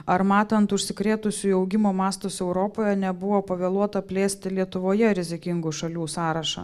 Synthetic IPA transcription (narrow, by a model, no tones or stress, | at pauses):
ɐɾmɑːt̪ɐnt̪ʊʃʲsʲɪkɾʲeːt̪ʊsʲʊɐʊɡʲɪmoːmɑːst̪oːsɛʊɾoːpoːjɛnʲɛbʊʋoːpɐʋʲeːlˠuɔt̪ɐpʲlʲeːsʲt̪ʲɪlʲiɛt̪ʊʋoːjɛɾʲɪzʲɪkʲɪŋɡuʃɐlʲuːsɑːɾɐʃɐ̰